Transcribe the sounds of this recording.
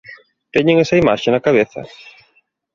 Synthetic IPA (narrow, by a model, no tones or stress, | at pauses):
t̪eɲẽŋesɐimaʃenɐkaβ̞eθɐ̰